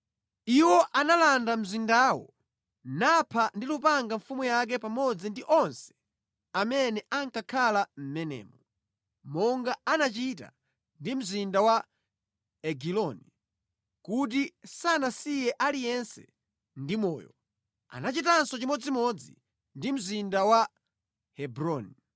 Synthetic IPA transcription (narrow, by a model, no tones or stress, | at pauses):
iwɔʔanalandam̩zindaːwɔ̰ | napʰandilupaŋɡaɱfumujak̬ɛpamɔd͡zindiʔɔnsɛ̥ | amɛnɛʔaŋkakʰalam̩mɛnɛ̰ːmɔ | mɔŋɡaanat͡ʃita̰ | ndim̩zindawa | ɛɡilɔni | kut̬isanasijɛʔalijɛnsɛ̰ | ndimɔːjɔ̰ | a̰nat͡ʃitansɔt͡ʃimɔd͡zimɔd͡zi | ndim̩zindawa | hɛbɾɔni